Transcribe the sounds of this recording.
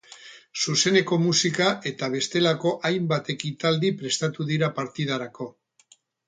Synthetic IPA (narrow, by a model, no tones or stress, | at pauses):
suse̞ne̞ko̞musikaʔe̞t̪aβ̞e̞st̪e̞lako̞ʔajmbat̪e̞kit̪ald̪ipɾe̞st̪at̪uðiɾapaɾt̪ið̞aɾako̞